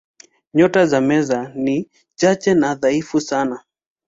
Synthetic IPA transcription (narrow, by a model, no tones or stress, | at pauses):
ɲɔtazamɛzani | t͡ʃat͡ʃɛnaðaifusana